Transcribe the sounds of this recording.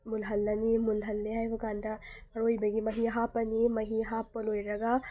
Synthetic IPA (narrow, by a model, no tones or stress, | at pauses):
mulɦɐlːɐnimulɦɐlːeɦaːjʋɐɡaːnd̪aɐɾojbɐɡimɐɦiɦapɐnimɐɦiɦapɐloiɾɐɡa